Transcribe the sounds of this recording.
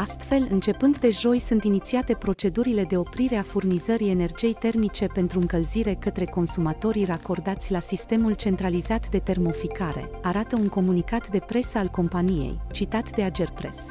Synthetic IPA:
ast̪fe̞lɨnt͡ʃe̞pɨnd̪d̪e̞ʒo̞jsunt̪init̪siat̪e̞pɾo̞t͡ʃe̞d̪uɾile̞d̪e̞o̞pɾiɾe̞afurnizəɾie̞ne̞rd͡ʒie̞jt̪e̞rmit͡ʃe̞pe̞nt̪ɾuɨŋkəlziɾe̞kət̪ɾe̞ko̞nsumat̪o̞ɾirako̞rd̪at̪sʲlasist̪e̞mult͡ʃe̞nt̪ɾalizat̪d̪e̞t̪e̞rmo̞fikaɾe̞̰aɾat̪əuŋko̞munikat̪d̪e̞pɾe̞səalko̞mpanije̞̰jt͡ʃit̪at̪d̪e̞ad͡ʒe̞rpɾe̞̰s

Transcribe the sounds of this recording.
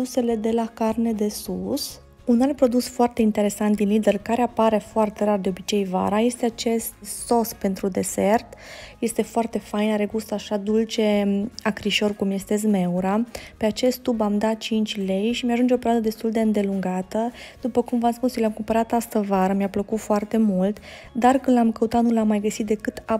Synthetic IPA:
use̞le̞d̪e̞lakarne̞d̪e̞sus | unalpɾo̞d̪usfoart̪e̞int̪e̞ɾe̞sant̪̚d̪inlid̪e̞rkaɾeapaɾe̞foart̪e̞ɾard̪e̞o̞bit͡ʃe̞jva̰ɾaje̞st̪eat͡ʃe̞st̪so̞spe̞nt̪ɾud̪e̞ze̞rt̪je̞st̪e̞foart̪e̞fajnaɾeɡust̪aʃad̪ult͡ʃe̞akɾiʃo̞rkumje̞st̪ezme̞uɾape̞at͡ʃe̞st̪ːubamd̪at̪̚t͡ʃint͡ʃʲle̞jʃimjaʒund͡ʒeo̞peead̪əd̪e̞st̪uld̪eɨnd̪e̞luŋɡat̪əd̪̥upəkumvamspusjolʲamkumpəɾat̪ast̪əvaɾəmiapləkut̪foart̪e̞mult̪ | d̪arkɨnd̪lamkəut̪at̪nulamːajɡəsit̪̚d̪e̞kɨt̪a

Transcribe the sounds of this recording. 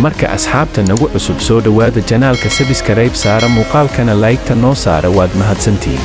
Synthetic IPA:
mɐrkʰɐ̰ʔɐ̰sħaːb̚t̪ʰɐnɐɣʊʕʊsʊbsɔːɖɐwaːðɐt͡ʃɐnaːlkʰɐsɐβɪskʰɐɾɛjbsaːɾɔmuːqɑːlkʰɐnɐlaːjk̚t̪ʰɐnɔːsa̰ːɾɛwaːd̪mɐɦɐd̪sɐnt̪ʰḭːn

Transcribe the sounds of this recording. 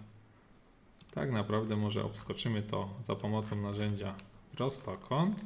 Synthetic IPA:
t̪a̰knapɾavd̪ɛmɔʐɛ̰ʔɔ̰pskɔt͡ʂɘmɘt̪ɔzapɔmɔt̪sɔ̃w̃naʐɛɲd͡ʑaɾɔst̪ɔkʰɔnt̪

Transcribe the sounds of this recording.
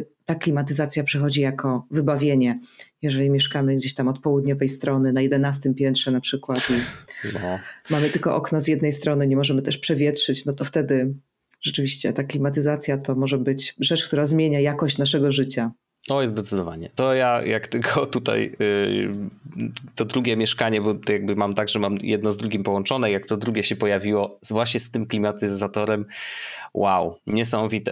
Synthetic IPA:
t̪aklʲimat̪ɘzat̪sʲjapʂɛxɔd͡ʑijakʰɔvɘbavʲjeɲɛjɛʐɛlʲimʲjɛʂkamɘɡd͡ʑeɕt̪amɔt̪̚pɔwud̪ɲɔvɛjst̪ɾɔnɘnajɛd̪ɛnast̪ɘmpʲjɛnt̪ʂɛnapʂɘkwat̪inɔmamɘt̪ɘlkɔʔɔknɔzʲjɛd̪nɛjst̪ɾɔnɘɲɛmɔʐɛmɘt̪ɛʂpʂɛvʲjɛtʂɘt͡ɕnɔt̪ɔft̪ɛd̪ɘ | ʐ̥ɛt͡ʂɘvʲiɕt͡ɕɛ̰t̪aklʲimat̪̬ɘzat̪sʲjat̪ɔmɔʐɛbɘt͡ɕʐɛt͡ʂkt̪uɾazmʲjeɲajakɔɕt͡ɕnaʂɛɡɔʐɘt͡ɕa | ɔjɛzd̪ɛt̪sɨd̪ɔvaɲɛt̪ɔjajakt̪ɘlkʰɔt̪ut̪a̰j | t̪ɔd̪ɾuɡʲɛmʲjɛʂkaɲɛbɔjaɡ̚bɘmamt̪aɡʐɛmamjɛd̪nɔzd̪ɾuɡʲimpɔwɔnt͡ʂɔnɛijak̚t̪ɔd̪ɾuɡʲɛɕɛpɔjavʲiwɔzvwaɕɲɛst̪ɘmklʲimat̪ɘzat̪ɔɾɛm | wʔawɲɛs̬amɔvʲit̪ɛ̰

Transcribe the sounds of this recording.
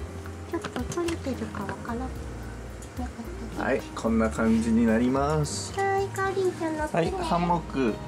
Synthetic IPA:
t͡ɕo̞t̪ːo̞t̪oɾet̪e̞ɾɯ̟kaβakanakɯ | nakɯt̪ːaa̰ikʰõ̞nːakãɲ̟d͡ʑiɲ̟inaɾʲimasɨ̥taɾaikaɾʲit͡ɕãnːohaihãmːokɯ̟

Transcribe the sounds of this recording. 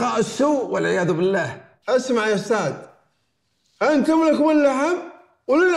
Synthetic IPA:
ɑːʔɪsːuːwɪlʕɪjaːðʊbɪlːaːh | ʔasmaʕjafsaːd̪ | ʔank̪amlakwɪlːaħam | wlɪl

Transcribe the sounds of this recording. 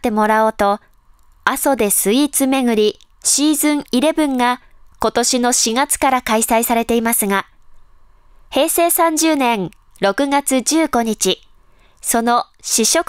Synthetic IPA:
e̞mo̞ɾaot̪o̞ | aso̞d̪e̞sɨit͡sɨme̞ɡɯ̟ɾʲi | ɕiːzɨ̃ɰ̃iɾe̞bɯ̟̃ŋɡako̞t̪o̞ɕino̞ɕiɡat͡sɨ̥kaɾakaisaisaɾe̞t̪e̞imasɨɡa | he̞ːse̞ːsãɲ̟d͡ʑɨːnẽ̞ŋ | ɾo̞kɯ̟ɡat͡sɨd͡ʑɨːɡo̞ɲ̟it͡ɕi | so̞no̞ | ɕiɕo̞k

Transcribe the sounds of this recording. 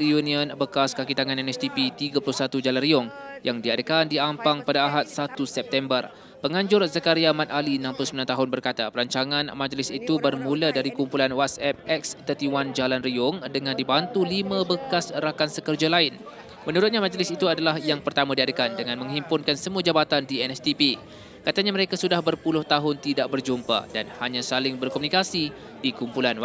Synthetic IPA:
iuniənbəkaskakit̪aŋãnɛnɛst̪ipit̪iɡapulʊhsat̪ud͡ʒalanriʊŋjaŋdiadəkandiampaŋpadaːɦat̪̚sat̪usɛp̚t̪ɛmbər | pəŋãɲd͡ʒʊrzakaɾiamãt̪alinãmpulʊsəmilant̪aɦʊnbərkat̪apəɾaɲt͡ʃaŋãnmãd͡ʒlɪsit̪ubərmuladaɾikumpulanwat̪̚sɛp̚ɛkst̪ət̪iwand͡ʒalanriʊŋdəŋãndibant̪ulimãbəkasɾakansəkərd͡ʒalaɪn | mənuɾʊt̪̚ɲamãd͡ʒlɪsit̪uadalahjaŋpərt̪amãdiadəkandəŋãnmə̃ŋɦimpʊnkansəmuad͡ʒabat̪andiɛnɛst̪ipi | kat̪aɲamə̃ɾekasudahbərpulʊht̪aɦʊnt̪idaʔ̚bərd͡ʒumpa̰danhaɲãsalɪŋbərkɔmunikasi | dikumpulanw

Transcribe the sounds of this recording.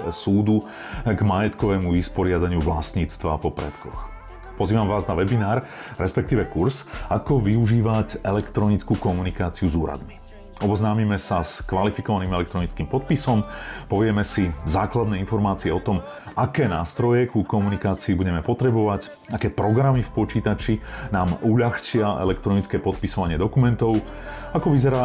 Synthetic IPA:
suːd̪u | ɡmajɛt̪kɔʋɛːmuʋispɔɾɪad̪aɲɪuʋla̰sɲiːt͡st̪ʋa̰pɔpɾɛ̰t̪kɔ̰x | pɔziːʋamʋaːznaʋɛbinaːɾ | ɾɛspɛk̚t̪iːʋɛkuɾsakɔʋiuʒiːʋacɛlɛkt̪ɾɔnit͡skukɔmunikaːt͡siuzuːɾa̰d̪mi | ɔbɔznaːmimɛsaskʋalifikɔʋaniːmɛlɛk̚t̪ɾɔnit͡skiːmpɔt̪̚pisɔmpɔʋɪɛmɛsizaːklad̪nɛːinfɔɾmaːt͡siɛɔt̪ɔm | akɛːnaːst̪ɾɔjɛkukɔmunikaːt͡siːbuɟɛmɛpɔt̪ɾɛbɔʋac | akɛːpɾɔɡɾamifpɔt͡ʃiːt̪at͡ʃinaːmuʎaxt͡ʃɪaʔɛ̰lɛkt̪ɾɔnit͡skɛːpɔt̪̚pisɔʋaɲɪɛd̪ɔkumɛnt̪ɔʊ | akɔʋizɛɾaː

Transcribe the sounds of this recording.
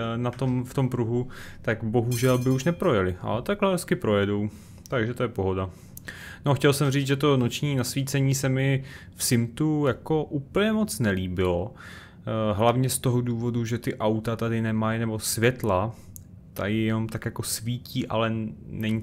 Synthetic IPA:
nat̪o̞mft̪o̞mpɾuɦut̪akbo̞ɦuʒɛlbɪuʃnɛpɾo̞jɛlɪʔa̰lɛt̪aɡlɛɦɛskɪpɾo̞jɛdo̞w | t̪aɡʒɛt̪o̞jɛpo̞ɦo̞da | no̞xcɛlsɛmriːt͡sʒɛt̪o̞no̞t͡ʃɲiːnasviːt͡sɛɲiːsɛmɪfsɪmt̪ujako̞ʔuːpl̩ɲɛmo̞t͡snɛliːbɪlo | ɦlavɲɛst̪o̞ɦoduːvo̞duʒɛt̪ɪʔawt̪at̪adɪnɛmajnɛbo̞svjɛt̪la | t̪a̰jɪjɛno̞mt̪akjako̞sviːciːʔa̰lɛnɛɲi

